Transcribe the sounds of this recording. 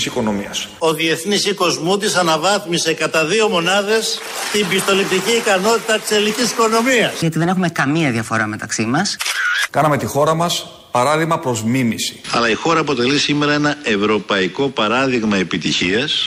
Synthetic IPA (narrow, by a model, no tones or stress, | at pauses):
siko̞no̞miɐ̰so̞ðie̞θnisiko̞zmut̪̬isɐnɐvɐθmise̞kɐt̪ɐðio̞mo̞nɐðe̞s | t̪imbist̪o̞lip̚t̪iciːkɐno̞t̪it̪ɐt̪i̥selnicisi̥ko̞no̞miɐsʝɐt̪iðe̞nexume̞kɐmiɐðiɐfo̞ɾɐme̞t̪ɐksimɐskɐnɐme̞t̪ixo̞ɾɐmɐs | pɐɾɐðiɣmɐpɾo̞zmimisi̥ɐlɐixo̞ɾɐːpo̞t̪e̞lisime̞ɾɐe̞nɐe̞vɾo̞pɐiko̞pɐɾɐðiɣmɐe̞pit̪içiɐs